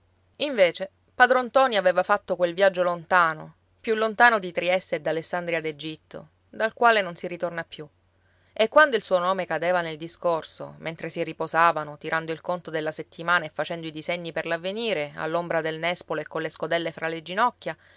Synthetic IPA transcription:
iɱveːt͡ʃe | paːd̪ɾont̪ɔːniaveːvafat̪ːokwelvjad͡ʒːolont̪aːno | pjulːont̪aːnod̪it̪ɾiɛst̪ed̪alesːand̪ɾiad̪ed͡ʒit̪ːo̰ | d̪alkwaːlenonsirit̪ornapːju | ekːwand̪oilsuːonoːmekad̪eːvaneld̪iskorso̰mʔent̪ɾesiripozaːvanot̪iɾʔand̪oilkont̪od̪elːaset̪ːimaːnaefːat͡ʃɛnd̪oid̪izeɲːiperlavːeniːɾea̰lːombɾad̪elnɛspoloekːonlːeskod̪ɛlːefɾʔaled͡ʒinɔkʲːja

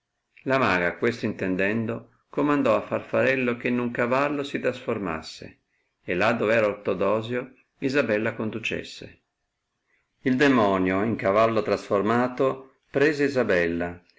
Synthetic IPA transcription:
lamaːɡakwest̪oint̪ɛnd̪ɛnd̪o | komand̪ɔafːarfaɾɛlːok̟enːuŋkavalːosit̪ɾasforma̰sːḛ | elːad̪ːovɛːɾaort̪od̪ɔːzjo | izabɛlːakond̪ut͡ʃḛsːḛ | ild̪emɔnjoiŋkavalːot̪ɾasformaːt̪o | pɾɛːzeizabɛlːa

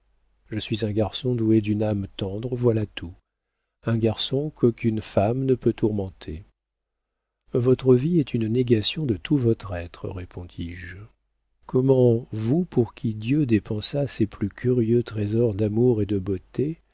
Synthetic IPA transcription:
ʒəsɥizɛ̃ɡaʁsɔ̃d̪ued̪ynamt̪ɑ̃d̪ʁəvwalat̪ʰu | ɛ̃ɡaʁsɔ̃kokʲynfamnəpøt̪uʁmɑ̃t̪ʰe | vɔt̪χəviɛt̪ynneɡasjɔ̃d̪ət̪ʰuvɔt̪χɛt̪χə̰ʁepʰɔ̃d̪iʒ | kɔmɑ̃vupuʁkʲʰid̪jød̪epɑ̃saseplykʲʰyʁjøt̪χezɔʁd̪amuʁed̪əbot̪e

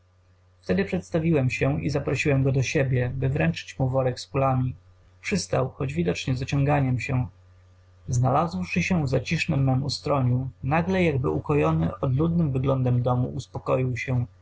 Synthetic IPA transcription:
ft̪ɛd̪ɘpʂɛt̪st̪avʲiwɛmɕɛḭzapɾɔɕiwɛmɡɔd̪ɔɕebʲjɛbɘvɾɛnt͡ʂɘ̥t͡ɕmuvɔɾɛkspulamʲi | pʂɘst̪awxɔd͡ʑvʲid̪ɔt͡ʂɲɛzɔt͡ɕɔŋɡaɲɛmɕɛ | znalazwʂɘɕɛvzat͡ɕiʂnɘmːɛmust̪ɾɔɲunaɡlɛjaɡ̚bɘʔukɔjɔnɘ̰ʔɔd̪lud̪nɘmvɘɡlɔnd̪ɛmd̪ɔmṵʔuspɔkɔjiwɕɛ

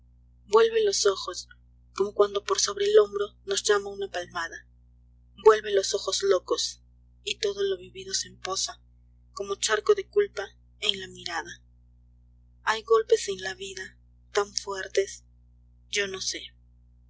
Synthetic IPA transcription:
bwe̞lβe̞lo̞so̞xos | ko̞mo̞kwand̪o̞po̞ɾso̞βɾe̞ːlo̞mbɾo̞no̞zʝamaunapalmaða | bwe̞lβelo̞so̞xo̞zlo̞kos | it̪o̞ðo̞lo̞βiβiðo̞sempo̞sa | ko̞mot͡ʃaɾkoðe̞kulpa | enlamiɾaða | ajɣo̞lpe̞senlaβiða | t̪aɱfwe̞ɾt̪e̞s | ɟ͡ʝo̞no̞se̞

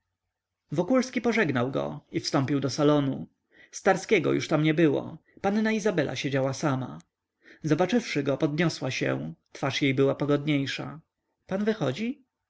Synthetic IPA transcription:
vɔkulskʲipɔʐɛɡnawɡɔ̰ifst̪ɔmpʲiwd̪ɔsalɔnu | st̪aɾskʲɛɡɔ̰juʂt̪amɲɛbɘwɔ̰panːaizabɛlʔa̰ɕed͡ʑawasama̰ | zɔbat͡ʂɘfʂɘɡɔpɔd̪ɲɔswaɕɛ̰̃t̪faʂjejbɘwapɔɡɔd̪ɲejʂa̰ | panvɘxɔd͡ʑi

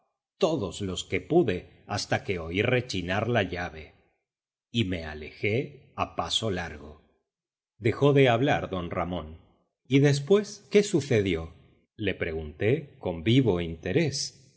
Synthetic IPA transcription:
t̪o̞ðo̞slo̞ske̞puðe | ast̪akeoiɾre̞t͡ʃinaɾlaʎaβe̞ | ime̞a̰le̞xe̞ | apaso̞laɾɣo̞̰ | d̪e̞xo̞ðe̞aβ̞laɾðo̞nra̰mõ̞n | iðe̞s̬pwe̞ske̞suθe̞ðjo̞ | le̞pɾe̞ɣunt̪e̞ko̞mbiβo̞int̪eɾe̞s

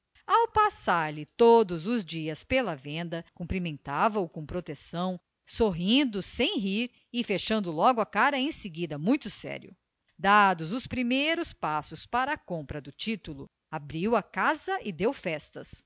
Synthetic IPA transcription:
awpasaɾlɪt̪od̪ʊzʊzd͡ʒiɐspelɐvẽnd̪ɐkũmpɾimẽnt̪avɐʊkõw̃pɾot̪esɐ̃w̃ | soɦĩnd̪ʊsẽj̃ɦiɾ | ɪfeʃɐ̃nd̪ʊlɔɡʊɐkaɾɐẽj̃sɪɡid̪ɐmũj̃t̪ʊsɛ̰ɾjʊ̰ | d̪ad̪ʊzʊspɾimejɾʊspasʊspaɾɐːkõmpɾɐd̪ʊt͡ʃit̪ulʊ | abɾiwɐkazɐʔɪd̪ewfɛst̪ɐs

